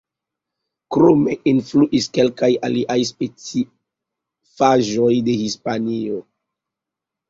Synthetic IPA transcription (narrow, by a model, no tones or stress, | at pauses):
kɾome̞influʔiske̞lkajaliʔajs̬pet͡si | faʒo̞jde̞hispanio